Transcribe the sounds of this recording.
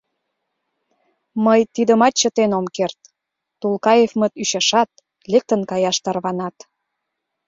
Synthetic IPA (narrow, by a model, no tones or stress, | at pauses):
məjt̪id̪əmɑt̪̚t͡ɕət̪enomkert̪ː | ulˠkɑjefmə̆t̪yʃɑʃɑt̪ | lek̚t̪ənkɑjɑʃt̪ɑrβɑnɑt̪